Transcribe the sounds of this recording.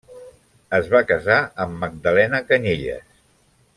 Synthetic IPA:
əzβakəzaəmːəɡ̚d̪əlɛnəkəɲiʎə̰s

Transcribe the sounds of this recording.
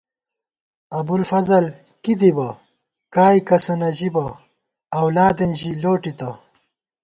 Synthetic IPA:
ɐbulfɐzɐlkid̪ibɐ | kaːikɐsɐnɐʑibɐ | ɐwlaːd̪enʑiloːʈit̪ɐ

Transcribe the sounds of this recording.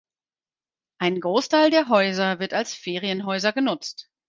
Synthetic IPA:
ʔaɪnɡʁoːstʰaɪldeːɐɦɔʏzɐvɪɐtalsfeːʁiənɦɔʏzɐɡənʊt͡st

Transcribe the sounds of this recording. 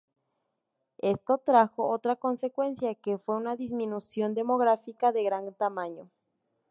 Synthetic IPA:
est̪o̞t̪ɾaxo̞ot̪ɾako̞nse̞kwe̞nsjakefwe̞unaðizmĩnusjo̞nd̪e̞mo̞ɣɾafikaðe̞ɣɾant̪amãɲo

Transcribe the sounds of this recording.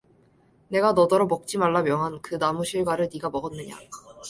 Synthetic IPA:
ne̞ɡanʌdʌɾʌmʌk̚t͡ɕ͈imaɭːamjʌŋɦankɯnamuɕʰiɭɡwaɾɯɭniɡamʌɡʌnːɯɲa̰

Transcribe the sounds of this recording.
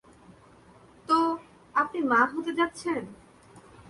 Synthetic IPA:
t̪o | apnimaɦot̪ed͡ʑat̪ːɕʰen

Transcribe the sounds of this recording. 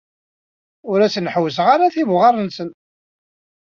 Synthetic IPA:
ʊɾæsənħwəsəʁaɾaθivʁɑɾˤənsən

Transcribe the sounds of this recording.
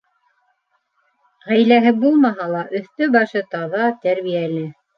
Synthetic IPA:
ʁæjlæɦɘbulˠmɑɦɑlˠɑʔɵ̆θt̪ɵbɑʃɤt̪ɑðɑt̪æɾβijælɘ

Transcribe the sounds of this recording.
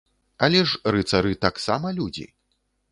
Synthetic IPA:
alʲɛʂrɨt̪saɾɨt̪aksamɐlʲud͡zʲḭ

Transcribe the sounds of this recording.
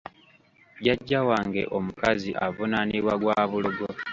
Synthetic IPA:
ɟaɟːawaːŋɡe̞̰ʔo̞mukaziʔavunaniβwaɡwaːβuluɡo

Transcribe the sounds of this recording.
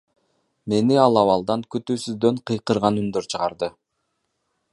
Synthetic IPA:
me̞niɑlˠɑβɑlˠd̪ɑŋkyt̪yːsyzd̪ø̞ɴqʰɯjqɯɾʁɑnynd̪øɾt͡ʃʰɯʁɑɾd̪ɯ

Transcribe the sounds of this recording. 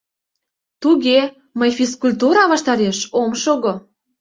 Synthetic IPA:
t̪uɣe | məjfiskulʲt̪uɾɑβɑʃt̪ɑɾeʃomʃoɣo

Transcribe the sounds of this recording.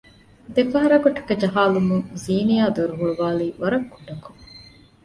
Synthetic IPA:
d̪efɐɦɐɾɐɡoʈɐ̥kɐd͡ʒɐɦaːlumuŋziːnijaːd̪oɾuɦuɭuʋaːliːʋɐɾɐkːuɖːɐku̥

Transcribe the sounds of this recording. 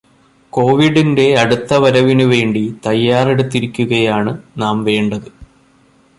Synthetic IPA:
ko̞ːʋiɽinde̞ɐɽut̪ːɐʋɐɾɐʋinuʋe̞ːɳɖit̪ɐjːaːreɽut̪ːiɾikʲːuɣɐjaːɳɨnaːmʋe̞ːɳɖɐðɨ

